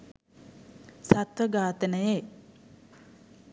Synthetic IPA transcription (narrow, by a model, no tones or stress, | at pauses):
sat̪ʋəɡaːt̪ənəje